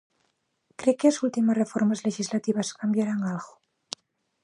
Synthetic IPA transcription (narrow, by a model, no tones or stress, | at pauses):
kɾekelasult̪imasrefoɾmazleʃizlat̪iβ̞askambjaɾaŋalɣo